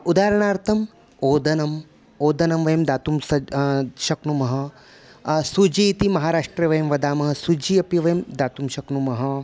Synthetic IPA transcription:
ud̪aːɾɐɳ̃aːɾt̪ʰɐm | oːd̪ɐnɐm | oːd̪ɐnɐmʋɐjɐmd̪aːt̪umsɐʃɐknumɐɦɐ | sud͡ʒit̪imɐɦaːɾaːʂʈɾɐʋɐjɐmʋɐd̪aːmɐɦɐsud͡ʒiɐpijɐʋɐjɐmd̪aːt̪umʃɐknumɐɦɐ

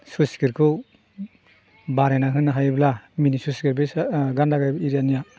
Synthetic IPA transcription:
suskiɾkʰu | baɾenaɦɯnːaɦajblaminisusɡiɾbesɡandaɡajbiɾijanija

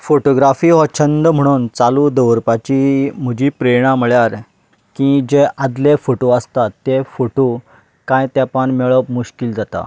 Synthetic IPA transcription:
foʈoɡɾafiːɦɔt͡ɕʰənd̪əm̤əɽ̃uːnt͡salud̪əʋɾpat͡ɕim̤əd͡ʑiːpɾeɽ̃ãməɭjaɾ | kĩd͡ʑeʔad̪lefoʈoəst̪at̪ːefoʈo | kãjt̪japaɳmeɭəpmuɕkild͡zat̪a̰

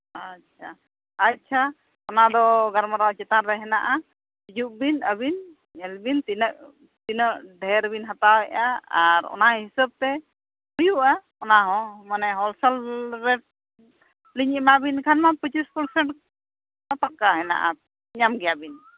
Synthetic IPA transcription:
att͡ʃʰa | ac̚t͡ʃʰa | ɔnad̪ɔɡaɾmaɾawt͡ʃɛt̪aɾɾɛɦɛna̰ʔa | pid͡ʒuʔ̚binəbin | ɛlbint̪inəʔ | t̪inəʔɖʱɛɾbinɦat̪awɛjaaɾɔ̰naɦisəb̚t̪ɛ | bujuʔa | ɔnaɦɔ̃manɛɦɔlsəlɾɛʈ̚ | liɲimabinkʰanmapət͡ʃispəɾsɛɳʈ | napakaɦɛna̰ʔa̰ | ɲamɡɛjabin

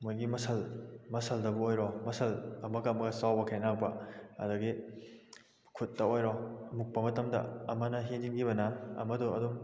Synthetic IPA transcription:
mojɡimɐsʰɐlmɐsʰɐldɐbuojɾɔmɐsʰɐlɐmɐɡamɐɡɐsawbɐkʰejnak̚bɐɐ̰dɐɡi | kʰut̚ːɐojɾɔmuk̚pɐmɐtɐmdɐ̰ɐmɐnɐɦed͡ʒinɡibɐnɐɐ̰mɐduɐ̰dum

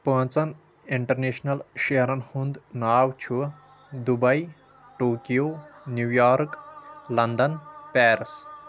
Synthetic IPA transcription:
pə̃ːt͡sɐn | iɳʈɐɾneːʃnɐlʃeɦɐɾɐnhund̪naːwt͡ʃʰu | d̪ubɐj | ʈoːkijoːnjuːjaːɾklɐnd̪ɐnpɛːɾs

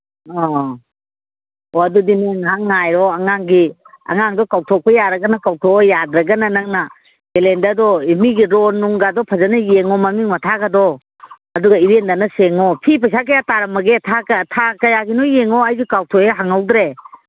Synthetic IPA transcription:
ɔ | ɔɐdudiniŋɦaŋːajɾɔɐŋaŋɡi | ɐ̰ŋaŋdɔkawtʰɔk̚pʰɐjaɾɐɡɐnakawtʰɔjad̪ɾɐɡɐnanaŋna | belendadɔimiɡiɾɔnːuŋɡadɔpʰazanɐjeŋɔmɐmiŋmɐtʰaɡadɔ | ɐduɡɐiɾendanɐseŋɔpʰipajsakajataɾɐmɐɡetʰatʰakajaɡinɔjeŋɔajɡikawtʰɔeɦaŋawd̪ɾe

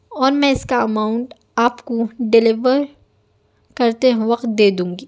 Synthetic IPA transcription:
ɔːɾmɛ̃ɪskaɐmaːʊ̃ɳʈ | aːpkoɖɪlɪʋəɾ | kɐɾt̪eʋɐqt̪̚d̪eːd̪ũːŋɡiː

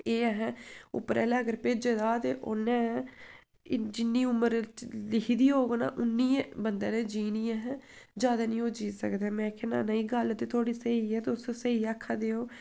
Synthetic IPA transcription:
eːɛɦɛ̃ʊ̰pːɾɛ̰ːlɛːəɡəɾpeːd͡ʒeːd̪aːt̪eːʔo̰ːnɛ̃ː | d͡ʒɪnːiːʊmːəɾlɪkʰiːd̪iːɦoːɡona̰ːʔʊnːiːbənd̪ãːnẽːd͡ʒiːniːɛɦɛ̃ː | d͡ʒjaːd̪aːnĩːoːd͡ʒiːsə̰kd̪ɛːmɛ̃ːkʰena̰ːnəiːɡəlt̪eːt̪ʰoːɽiːsəiːɛːt̪eʊsosəiːaːkʰːaːd̪eːoː

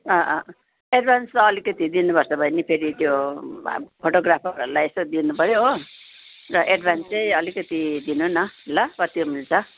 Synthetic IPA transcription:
ʌ̃ʔʌ | eɖ̚bʱanst̪ʌʌlikʌt̪id̪inupʌrt͡sʰʌbʱʌjnipʰeɾit̪jo̰ | pʰoʈoɡrapʰʌɾuɾulajest̪od̪inupʌɾjoo | rʌʔeɖbʱanst͡sʌjʌlikʌt̪id̪inunʌlːabʌt̪jomilt͡sʰʌ

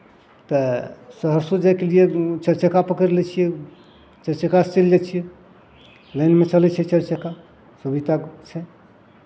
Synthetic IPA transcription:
t̪əsəɦəɾsod͡ʒajkelijet͡ʃəɾt͡ʃəkapəkəɾelɛt͡ʃʰijɛ | t͡ʃəɾt͡ʃəkast͡ʃeld͡ʒat͡ʃʰijɛ | ləɪnmet͡ʃəlɛt͡ʃʰɛt͡ʃəɾt͡ʃəka | subit̪at͡ʃʰɛ

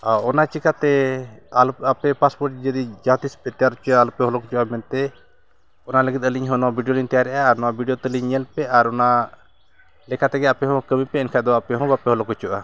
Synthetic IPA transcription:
aɔnat͡ʃikat̪ɛalapɛpaspɔɾʈd͡ʒəd̪id͡ʒat̪ispɛt̪ɛjaɾɔt͡ʃalɔpɛɦɔlɔkɔt͡ʃɔʔamɛnt̪ɛ | ɔnaləɡit̪̚əliɲɦɔ̃nɔwabʱiɖijolint̪ɛjaɾɛʔaːɾnɔwabʱiɖijot̪ɛliɲɲɛlpɛaɾɔna | lɛkat̪ɛɡɛapɛɦɔ̃kəmĩpɛɛnkʰad̪ɔapɛɦɔ̃bapɛɦɔlɔkɔt͡ʃuʔa

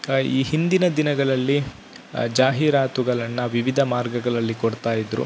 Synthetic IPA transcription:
iːɦind̪inɐd̪inɐɡɐɭɐlːi | d͡ʒaːɦiɾaːt̪uɡɐɭɐnːɐʋiʋid̪ʱɐmaːɾɡɐɡɐɭɐlːikoɽt̪aːjid̪ɾṵ

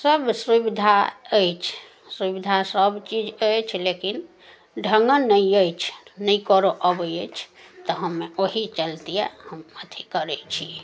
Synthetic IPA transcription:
səbsɾibid̪ʱaəjt͡ʃʰ | sɾibid̪ʱasəbt͡ʃid͡ʒəjt͡ʃʰlekin | ɖʱəŋɡənnːəjəjt͡ʃʰnəjkəɾoʔəbəjət͡ʃʰt̪ɔɦəmːeoɦit͡ʃəlt̪ijɛ̰həmət̪ʰikəɾɛt͡ʃʰi

